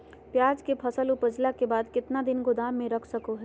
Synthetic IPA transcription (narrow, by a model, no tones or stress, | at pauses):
pjaːd͡ʒkepʰɐsəlʊpəd͡ʒlakebaːd̪kɪt̪nad̪ɪnɡʊd̪aːmːẽɾɐkʰsəkoɦɛː